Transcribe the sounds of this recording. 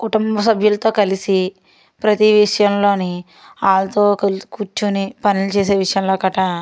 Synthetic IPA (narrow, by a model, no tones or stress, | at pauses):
kuʈumbɐsɐbʱjulɐt̪o̞ːkɐlisi | pɾɐt̪iʋiʂɐjɐmlo̞ːni | aːlɐt̪o̞ːkkut͡ʃːunipɐnilut͡ʃeːs̬eːʋiʂɐjɐmlo̞ːkɐʈɐ